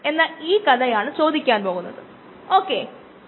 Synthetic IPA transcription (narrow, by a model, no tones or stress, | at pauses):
e̞nːaːliːkɐd̪ɐjaːɳɨt͡ɕo̞ːd̪ikʲːaːnpo̞ːɣunːɐðɨ̰ | oːkːe